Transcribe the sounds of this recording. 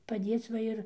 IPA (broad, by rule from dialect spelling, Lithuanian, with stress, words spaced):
pɐˈdʲeːt͡s ˈʋɐ ɪr